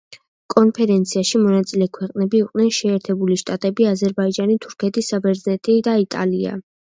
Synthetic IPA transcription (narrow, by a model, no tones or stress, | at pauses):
kʼɔnpʰɛɾɛnt̪sʰiaʃimɔnat̪sʼilɛkʰwɛqʼnɛbiːqʼnɛnʃɛːɾt̪ʰɛbuliʃt̪ʼat̪ʼɛbiazɛɾbaid͡ʒanit̪ʰuɾkʰɛt̪ʰisabɛɾznɛt̪ʼid̪ait̪ʼa̰lia̰